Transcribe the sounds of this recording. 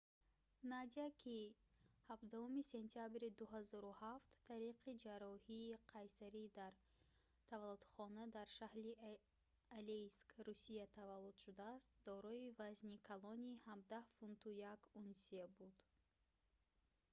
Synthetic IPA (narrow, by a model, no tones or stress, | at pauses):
nad̪iakʰihabd̪ahumise̞nt̪ʰijabɾid̪uɦazɔɾuhaft̪ːʰaɾiqʰid͡ʒaɾɔhiːqʰajsaɾid̪aɾ | t̪ʰavalud̪χɔnad̪aɾʃahɾi | aleskɾusijat̪ʰavalːud̪̥ʃud̪aːst̪̚d̪ɔɾɔivaznikʰalɔnihamd̪ahfunt̪ʰujakunsiabud̪̥